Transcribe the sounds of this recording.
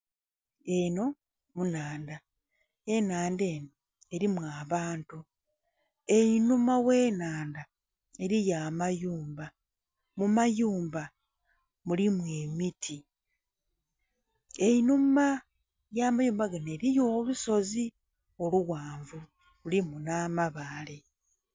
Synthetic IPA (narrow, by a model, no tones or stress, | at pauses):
e̞no̞ | munaːnda | e̞naːnde̞ːno | e̞ɾimwaːβaːntu | einumawe̞ːnaːnda | e̞ɾijaːmajuːmba | mumajuːmba | mulimwe̞mitʰi | einuma | jaːmajuːmbaɡane̞ɾijo̞ːluso̞zi | o̞luɣwaːɱvu | lulimunaːmaβaːle